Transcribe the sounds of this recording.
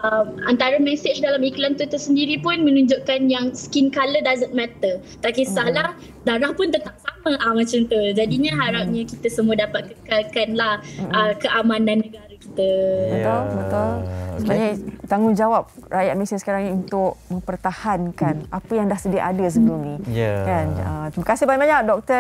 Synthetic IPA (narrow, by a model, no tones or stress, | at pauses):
əmant̪aɾəmɛ̃sɪt͡ʃdalamiklant̪ut̪usəndiɾipʊnmə̃nuɲd͡ʒʊʔkanjaŋsə̥kinkalədazət̪̚mɛt̪ə | t̪aʔkesahlah | daɾahpʊnt̪ət̪aʔ̚saməʔamãt͡ʃamt̪ud͡ʒadiɲə̃ɦaɾap̚ɲãkit̪əsəmuədapat̪̚kəkalkanlahəkəʔamãnãnːəɡaɾaki̥t̪əbət̪ʊlbət̪ʊlsəbaɲat̪aŋɡʊŋd͡ʒawap̚rajaʔ̪̚mesisəkaɾaŋɲaunt̪ʊk̚mə̃mpərt̪ahankanapəjaŋdahsədia̰ʔadəs̬əɡuŋnikanət̪ɾiməkasɪhbãbaɲak̚dɔk̚t̪ə